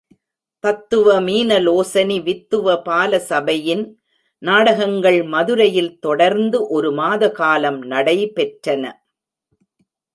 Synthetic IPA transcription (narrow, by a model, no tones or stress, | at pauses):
pɐt̪ːɯʋɐmiːnɐloːsɐniʋɪt̪ːɯʋɐpaːlɐsɐbɐjɪn | naːɽɐɣɐŋɡɐɭmɐðɯɾɐjɪlt̪ɔɽɐɾnd̪ɯʔɔɾɯmaːðɐkaːlɐmnɐɽɐɪpɛʈrɐnɐ